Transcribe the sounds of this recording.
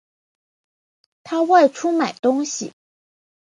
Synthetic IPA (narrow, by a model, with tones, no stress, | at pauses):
t̪ʰa˥wa˥˧ɪʈ͡ʂʰu˥ma˨˩ɪt̪ʊ˥ŋɕḭ˨˩